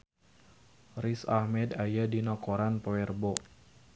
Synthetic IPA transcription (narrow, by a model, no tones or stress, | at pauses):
risahmɛdajadinɔkoɾanpawɛrbɔ